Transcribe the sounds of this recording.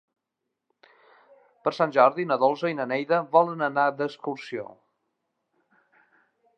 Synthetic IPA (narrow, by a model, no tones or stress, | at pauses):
pəɾsanʲʒɔɾðinəðolˠzəinənɛjðəβɔlənənad̪əkskuɾsio̰